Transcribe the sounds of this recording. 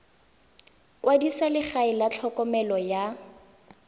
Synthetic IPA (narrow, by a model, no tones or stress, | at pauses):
kwadisalɪχaɪlat͡ɬʰɔkɔmɛlɔja